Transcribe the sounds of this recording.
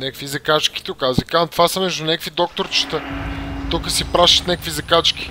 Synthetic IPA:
nʲakkfvizɐkat͡ʃki̥t̪ukazvikamt̪vasəmɛʒd̪ʊnʲɛkkvid̪ɔk̚t̪oɾt͡ʃi̥t̪ət̪ukəsipɾaʃət̪nʲakə̥kvizɐkat͡ʃkʲi̥

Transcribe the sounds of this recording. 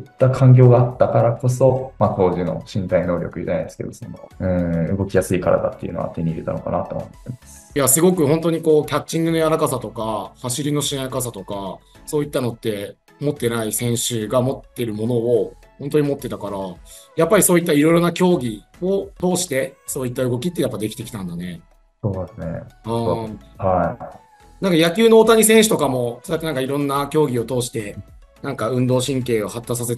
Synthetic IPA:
t̪ːakʰãŋk̬ʲo̞ːɡaat̪ːakaɾako̞so̞mat̪o̞ːʑino̞̰ɕĩnt̪aino̞ːɾʲo̞̰kɯ̟ḭd͡ʑana̰jd̪esɨ̥ked̪osonoɯ̟̃ːɯ̟ɡo̞kʲijasɨikaɾa̰d̪a̰t̪ːḛiɯ̟̰noa̰t̪e̞ɲ̟iːɾet̪ano̞ka̰na̰t̪o̰mot̪ːemas | jasɨɡo̞kɯ̟ho̞nt̪o̞ɲ̟iko̞ːkʲat͡ɕt͡ɕːĩŋɡɯ̟no̞jaɾakasat̪o̞kahaɕiɾʲino̞ɕĩnakas̬at̪o̞kaso̞ːit̪ːano̞t̪ːe̞ | mo̞t̪ːe̞naisẽ̞ɰ̃ɕɨːɡamo̞t̪ːe̞ɾɯ̟mo̞no̞ː | hõ̞nt̪̬oɲ̟imo̞t̪ːe̞t̪akaɾa | japːaɾʲiso̞ːit̪ːaiɾo̞iɾo̞nakʲo̞ːɡʲi | o̞t̪o̞ːɕi̥t̪e̞so̞ːit̪ːaɯ̟ɡo̞kʲit̪ːe̞japːad̪e̞kʲi̥t̪e̞kʲi̥t̪ãnd̪ane̞ | soːd̪esɨnḛɯ̃ha | nãŋkajakʲɨːno̞ːt̪aɲ̟isẽɰ̃ɕɨ̥t̪o̞kamo̞sojat̪ːenãŋkaiɾõ̞nːakʲo̞ːɡʲio̞t̪o̞ːɕi̥t̪e̞ | nãŋkaɯ̟̃nd̪o̞ːɕĩŋke̞ːohat̪ːas̬aset̪

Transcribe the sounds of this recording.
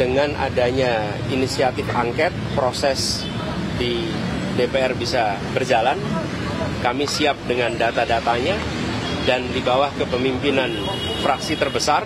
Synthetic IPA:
dəŋanʔa̰daɲa | inisiat̪ɪfa̰ŋkɛt̪̚pɾosɛs | di | depeɛrbisa | bərd͡ʒalan | kamisiap̚dəŋandat̪adat̪aɲa | dandibawahkəpəmimpinan | fɾaksit̪ərbəsar

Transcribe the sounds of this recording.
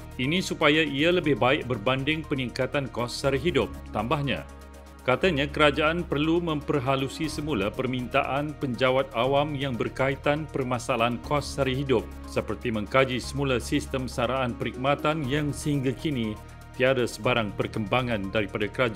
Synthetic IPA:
inĩsupajaialəbɪhbaɪʔ̚bərbandɪŋpəniŋkat̪ankɔsːaɾiɦidʊp̚t̪ambahɲã̰ | kat̪aɲãkəɾad͡ʒaʔanpərlumə̃mpərɦalusisəmulapərmĩnt̪a̰ʔanpəɲd͡ʒawat̪̚awamjaŋbərkait̪anpərmãsaalaankɔsːaɾiɦidʊp̚ | səpərt̪imə̃ŋkad͡ʒisəmulasist̪əmsaɾaʔːnpəɾik̚mat̪anjaŋsəhiŋɡakinĩ | t̪iadasəbaɾaŋpərkəmbaŋãndaɾipadakəɾad͡ʒ

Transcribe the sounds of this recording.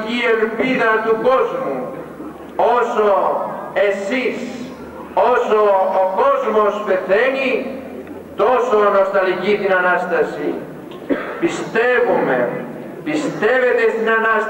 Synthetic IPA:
ielpiðɐt̪uko̞zmu | osoe̞sis | osoːkozmospe̞θeni | t̪osonost̪ɐlicit̪inɐnɐst̪ɐsi | pist̪evume | pist̪e̞ve̞t̪est̪inɐnɐs

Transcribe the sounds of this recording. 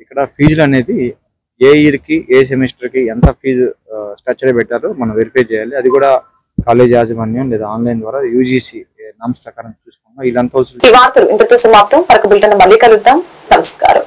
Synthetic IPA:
ikːɐɽɐpʰiːd͡ʒluɐne̞ːd̪i | eːiɾkiʔeːs̬emesʈɐɾkient̪ɐpʰiːd͡ʒsʈɐːt͡ʃːɐɾɐpɛʈːaːɾumɐnɐmʋeɾipʰet͡ʃɛːjaːliɐd̪ikuːɽaː | kaːle̞ːd͡ʒaːsɐmɐnjɐmleːd̪aaːnlɐjnd̪ʋaːɾaːjuːd͡ʒiːsinaːmspɾɐkaːɾɐmt͡ʃuːsu̥kunːailːɐnt̪oːsiːʋaːɾt̪ɐɾuʔḭnt̪ɐɾɐt̪osɐmaːp̚t̪ɐmpɐɾɐkɐbilʈɐnːɐmɐlːiːkɐluɡt̪ːaːm | nɐmɐska̰ːɾɐ̰m

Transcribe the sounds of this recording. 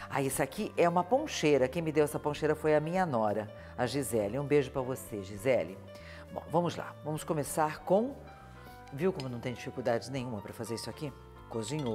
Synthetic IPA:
a̰esakiʔɛũmɐpõʃeɾɐkẽj̃mɪd̪ewɛsɐpõʃejɾɐfojɐmĩɲɐnɔɾɐ | ɐʒizɛlɪũbeʒʊpɾɐvoseʒizɛlɪ | bõ̰vɐ̃mʊzla̰vɐ̃mʊskõmesaɾkõ | viwkõmʊnɐ̃w̃t̪ẽj̃d͡ʒifikuwd̪ad͡ʒɪnẽjɲ̃ũmɐpɾɐfazeɾisʊaki | kozĩɲo

